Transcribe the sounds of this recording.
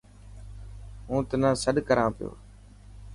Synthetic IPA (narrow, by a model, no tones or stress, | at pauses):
ɦũːt̪ənãːsəɗkəɾãːpɪjo̰ː